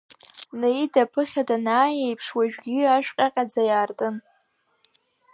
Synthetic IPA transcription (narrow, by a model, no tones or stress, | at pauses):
nejidapʰɨχʲadanaːjejpʰʂwaʒᶣɡʲɪaʃᶣqʲʼaqʲʼad͡zajaːrtʼɨn